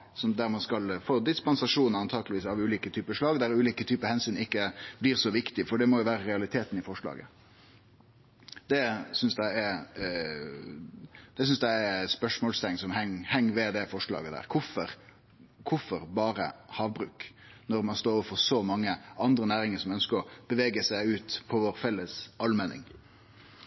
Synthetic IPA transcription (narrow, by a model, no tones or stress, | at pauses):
sɔmd̪æɾmɑnskɑlfoːd̪ɪspɑnsɑʂuːnəɾɑnt̪ʰɑːɡəlɪʋiːsɑʋʉːliːkət̪ʰyːpəʂlɑːɡd̪æɾʉːliːkət̪ʰyːpəhɛnsyːnɪkːəblɪːɾsɔʋɪkt̪ɪfɔɖɛmɔjʊʋæːɾəɾɛɑlɪt̪ʰeːt̪n̩ɪfɔʂɭɑ̰ːɡə̰ | d̪̥ɛsʏnsd̪æɪɛ | d̪̥ɛsʏnsd̪æɪæspœʂmɔːlst̪ɛŋsɔmhɛŋhɛŋːʋɛd̪ɛfɔʂɭɑ̰ːɡəd̪æ̰ːʁkʰʊfɔɾ | kʰʊfɔɾbɑːɾə̰hɑːʋbɾʉːk | nɔɾmɑnst̪oːɾɔʋəɾfɔʁsɔmɑŋːəʔɑnd̪ɾənæːɾɪŋəsɔmœnskəɾɔb̥əʋeːɡəsæɪʉːt̪pʰɔʋoːɾfɛlːəsɑlmɛnɪ̰ŋ